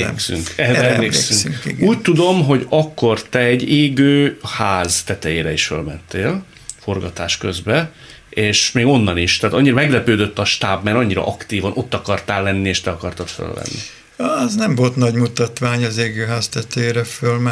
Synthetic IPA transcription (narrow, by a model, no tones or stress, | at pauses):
ksy̰ŋkɛɛmmleːlkːsyŋŋḭɡuːc̚t̪ud̪o̞mɦo̞ɟɒkːo̞rt̪ɛɛɟeːɡøːhaːzt̪ɛt̪ɛjeːɾɛiʃfø̰lmɛnt̪ːeːl | fo̞rɡɒt̪aːʃkøzbɛ | eːʃmeːɡo̞nːɒniʃt̪aːt̪ɒɲːiɾɒmɛɡlɛpøːd̪øt̪ːɒʃt̪aːbmɛɾɒɲːiɾɒ̰ʔɒkt̪iːvɒnʔo̞t̪ːɒkɒrt̪aːlːɛnːieːʃt̪ɛɒkɒrt̪ɒt̪fø̰lvɛ̰nːḭ | ɛznɛmvo̞lt̪nɒɟmut̪ɒt̪ʋaːɲɒzeːɡøːɦaːzt̪ɛt̪ɛjeːɾɛfølmɛ